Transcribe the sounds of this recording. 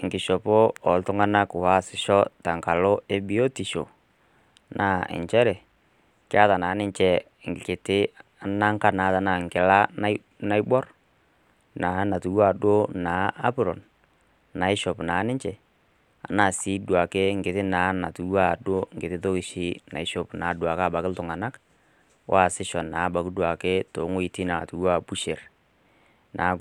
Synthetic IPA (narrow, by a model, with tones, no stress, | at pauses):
ŋ˨ɡɪ˨ʃɔ˨pʊ˦ɔ˨ltʊ˦ŋa˦na˦kʊ˨wa˦˨sɪ˨ʃɔ˦ta˨ŋ˨ka˨lʊ˦ʔe˦bi˦o˦ti˨ʃo̰˨ | nʔa˨˦ɪ̰˨ɲt͡ʃɛ˦ɾɛ˨ | kɪ˦a˦ta˨naː˨˦nɪ˦ɲt͡ʃɛ˨ | kɪ˨tɪ˦ | a˨na˦ŋ˦ka˦naː˨˦ta˨naː˨ŋ˨kɪ˨la˦na˦ | na˦jbɔ˦ɾ | na˨˦na˨tu˨wa˨do˦naː˨˦a̰˦pʊ˦ɾɔ̰˨n | na˨ɪ˦ʃɔ˨pna˨˦nɪ˦t͡ʃɛ˨ | a̰˨naː˨si˦du˨a˨ke˦ŋ̩˨ɡɪ˨tɪ˦na˨˦na̰˨tu˨˦a˦˨do˦ŋ̩˨ɡɪ˨tɪ˦to˦kɪ˨ʃɪ˦na̰˨ɪ˦ʃɔ˨pna˨˦du˨a˨ka˦˨ba˨kɪ˦ltʊ˨ŋa˨na˦k | wa˦˨sɪ˦ʃɔ˨nːaː˨˦ba˨kɪ˦du˨a˨ke˦to˨˦ŋo˦i˨ti˦na˨tu˨wa˨bu˦ʃe˨ɾ | na˨˦